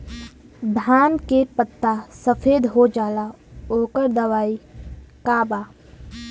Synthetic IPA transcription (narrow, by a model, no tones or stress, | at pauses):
d̪ʱaːnkepət̪ːasəfʰeːd̪ɦod͡ʒaːla | oːkəɾd̪ɐʋaːikaːbaː